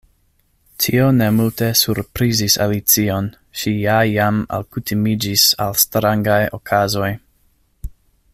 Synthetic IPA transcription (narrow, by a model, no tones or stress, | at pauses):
tʰio̞ne̞multe̞suɾpɾizisa̰lit͡sio̞n | ʃijajama̰lkutʰimid͡ʒisa̰lstɾaŋɡajokʰazo̞j